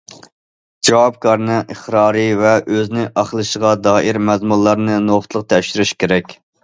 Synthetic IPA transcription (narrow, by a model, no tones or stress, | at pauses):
d͡ʒɑwɑp̚kʰɑɾnɨʔəχɾɑːɾɨvɛʔøznɪʔɑχlˠɨʃəʁɑd̪ɑːʔiɾmɛzmulˠːɑɾnɨnoʁʊt̪ʰlˠəq̚t̪ʰɛʃɪɾyʃkʲʰeɾɛkʲ